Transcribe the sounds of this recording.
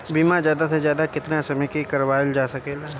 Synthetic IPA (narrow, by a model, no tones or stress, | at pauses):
biːmazjaːd̪asezjaːd̪akɪt̪nasɐməkikɐɾʋaːɪld͡ʒaːsɐkeːla